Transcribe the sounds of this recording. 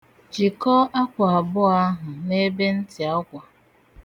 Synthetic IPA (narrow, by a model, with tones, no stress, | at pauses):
t͡ʃi˨kɔ˦ʔa˦kʷa˨a˨bʊ˦a˦ɦʊ˨ne˦be˦n̩˦tɪ˨a˦kʷa˨